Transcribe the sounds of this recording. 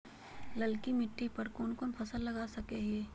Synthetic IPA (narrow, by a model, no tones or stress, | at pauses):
lɐlkimɪʈːipɐɾkoːnkoːnpʰɐsəlːɐɡaːsɐkeɦeː